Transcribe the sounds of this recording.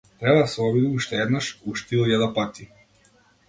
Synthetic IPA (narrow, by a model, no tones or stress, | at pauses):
t̪ɾɛbad̪asɛɔbid̪iuʃt̪ɛɛd̪naʃuʃt̪ilˠjad̪apat̪i